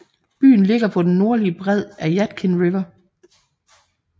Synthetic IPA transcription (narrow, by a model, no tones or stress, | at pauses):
b̥y̰ːn̩le̝ɡ̥ɐpʰɒ̽d̥enːo̝ɐliəb̥ʁɛð̞̰ˠæjæd̥kʰenʁiʋɐ